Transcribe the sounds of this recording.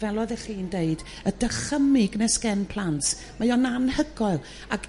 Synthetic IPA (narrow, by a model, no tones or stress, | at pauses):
vɛlˠɔðɛχiːndeɨd | ədəχəmɪɡnɛskɛnpʰl̥ˠant | majɔnanhəɡɔɨlˠ | ak